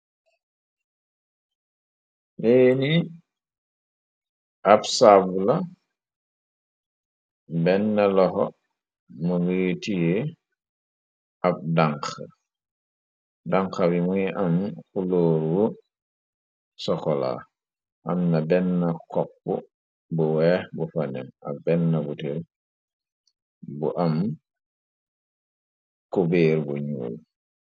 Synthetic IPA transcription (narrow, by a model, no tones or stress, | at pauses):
leni | apsabula | bɛnːalɔxɔ | muɡujitije | ab̚daŋka | daŋkabimujiʔamkuloːɾwɔ | sɔkɔla̰ | ʔamnabɛnːakɔp̚bṵ | buwɛxbufanɛ̰nabɛnːabutiɾ | bṵʔam | kubeːɾbuɲṵːl